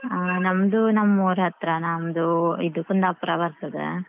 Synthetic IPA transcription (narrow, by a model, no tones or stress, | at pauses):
nɐmd̪unɐmːoːɾɦɐt̪ɾɐnɐmd̪uid̪ukund̪apɾɐʋɐɾsɐd̪ḛ